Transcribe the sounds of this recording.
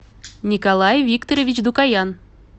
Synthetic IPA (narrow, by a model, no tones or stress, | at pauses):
nʲikolˠɑjvʲikt̪oɾʲevʲit͡ɕd̪ukɑjɑn